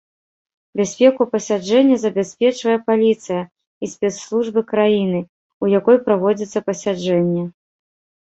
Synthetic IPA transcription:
bʲasʲpʲɛkupɐsʲad͡ʐɛnʲːɐzɐbʲasʲpʲɛt͡ʂvɐjɛpalʲit̪sɨjɐ | isʲpʲɛt̪slˠuʐbɨkɾajinɨ | ujakɔjpɾavɔd͡zʲit̪sːɐpɐsʲad͡ʐɛnʲːɛ

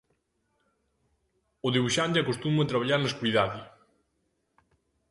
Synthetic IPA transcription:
ʊðiβuʃant̪eakost̪umɐt̪ɾaβ̞aʎaɾnɐskuiðaðɪ

